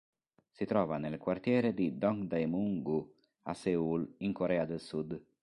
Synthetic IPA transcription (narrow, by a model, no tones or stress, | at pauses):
sit̪ɾɔːvanelkwart̪jɛːɾed̪id̪ɔŋd̪ajmuŋɡu | asɛuliŋkoɾɛːad̪elsud̪